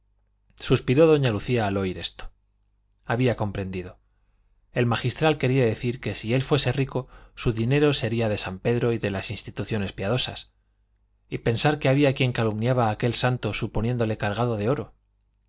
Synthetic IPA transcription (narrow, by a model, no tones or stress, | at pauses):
suspiɾo̞ðo̞ɲaluθiaːlo̞iɾe̞st̪o̥ | aβiako̞mpɾe̞nd̪iðo̞ | e̞lmaxist̪ɾalkeɾiaðe̞θiɾke̞sie̞lfwe̞se̞riko̞suðine̞ɾo̞se̞ɾiaðe̞sampe̞ðɾo̞iðe̞lasinst̪it̪uθjo̞ne̞spjað̞o̞sa̰s | ipe̞nsaɾke̞aβiakje̞ŋkalumnjaβaːke̞lsant̪o̞supo̞njẽ̞nd̪ole̞kaɾɣ̞aðo̞ðe̞o̞ɾo̞